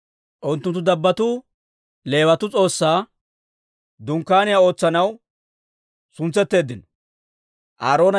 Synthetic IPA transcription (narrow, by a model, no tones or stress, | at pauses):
ʔʊnt̪ːʊnt̪ːʊd̪ɐbːɐt̪uː | le̞ːwɐt̪ʊt͡sʼo̞ːsːaː | d̪ʊŋkːaːnɪjao̞ːt͡sːɐnɐw | sʊnt͡sːɛt̪ːe̞ːd̪ːɪnɔ̥ | ʔaːɾo̞ːnɐ